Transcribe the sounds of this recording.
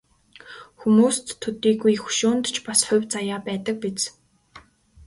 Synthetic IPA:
xumuːst̪ʰːɵt̪iːɡujxu̥ʃʊːnt̪t͡ɕpasχʊ̟wʲt͡sajaːpæːt̪ə̆k̚pit͡s

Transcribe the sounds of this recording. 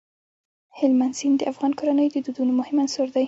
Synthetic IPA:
hɪlmansind̪əʔafɣɑnkʊɾanəjd̪əd̪ud̪unomʊhɪmansoɾd̪aj

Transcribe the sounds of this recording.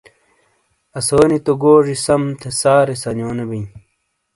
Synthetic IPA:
ɐsoːnit̪oɡoːʐisɐmt̪ʰesaːɾesɐnjoːnebij

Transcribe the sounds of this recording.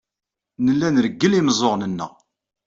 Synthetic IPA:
nəlːænɾəɡːəlimzˤoʁnənːə̰ʁ

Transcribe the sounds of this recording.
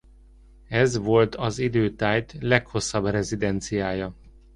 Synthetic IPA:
ɛzʋo̞lt̪ʰɒzid̪øːt̪aːjt̪lɛkho̞sːɒbrɛzid̪ɛnt̪sijaːjɒ

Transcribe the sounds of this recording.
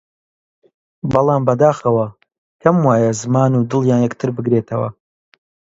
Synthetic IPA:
bɑlˠɑːmbɐd̪aːxɐwɐ | kʰɐmwaːjɐzɨmaːnuːd̪ɨlˠjaːnjɛkt̪ʰɨɾbɨɡɾeːt̪ʰɐwɐ̰

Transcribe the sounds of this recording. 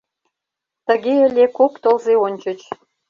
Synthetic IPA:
t̪ə̆ɣeə̆lʲekokt̪olzeonʲt͡ɕə̆t͡ɕ

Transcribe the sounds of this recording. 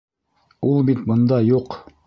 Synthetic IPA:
ulˠbit̪bɤ̆nd̪ɑjuq

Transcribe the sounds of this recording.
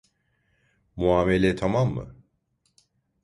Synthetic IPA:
muaːmelʲɛt̪ʰamamːɯ̰

